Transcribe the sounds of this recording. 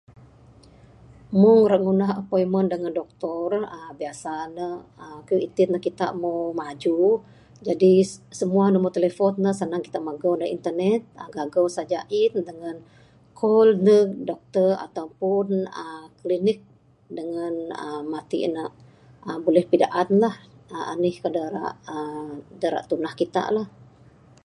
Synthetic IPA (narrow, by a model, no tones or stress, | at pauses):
muŋrəʔŋunaɦəpojməndəŋandɔk̚t̪ɔrəbiasanəhəkuit̪ɪt̪̚nəhkit̪a̰ʔmowmad͡ʒu | d͡ʒadisəmuanəmot̪elefɔnnəsanaŋki̥t̪aʔmaɡawnəʔḭnt̪ərnɛt̪̚ɡaɡawsad͡ʒaʔindəŋan | kʰɔlnədɔk̚t̪əra̰t̪awpʊnəklinɪk̚ | dəŋanəmat̪ḭʔnə | ʔəbulɛhpidaʔat̪lahəa̰nɪhkədaɾa̰ʔədaɾa̰ʔt̪unahkit̪a̰ʔlah